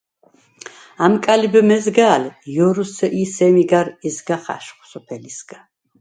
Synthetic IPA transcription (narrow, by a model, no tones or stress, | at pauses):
amkʼalibɛmɛzɡaːljɔɾusɛʔisɛmiɡaɾɛzɡaχa̰ʃχsɔpʰɛlisɡa